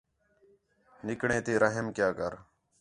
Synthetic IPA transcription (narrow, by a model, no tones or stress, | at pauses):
nɪkɳẽːt̪eːɾəɦəmkjaːkəɾ